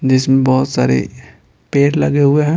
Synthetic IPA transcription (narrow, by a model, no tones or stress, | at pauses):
d͡ʒɪsmẽbɔɦʊt̪sa̰ːɾḛ | peːɾlɐɡeɦʊeɦɛ̃ː